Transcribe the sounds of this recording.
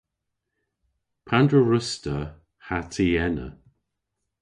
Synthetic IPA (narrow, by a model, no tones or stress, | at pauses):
pʰandɹəɹəstə | hatʰiɛnə̰